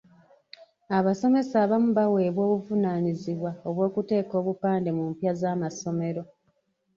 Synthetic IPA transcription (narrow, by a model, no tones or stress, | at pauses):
aβaso̞me̞saːβamuβawe̞ːβwo̞ːβuvunaːniziβwaoβwo̞ːkute̞ːko̞ːβupaːnde̞mumpjazaːmaso̞me̞ɾo̞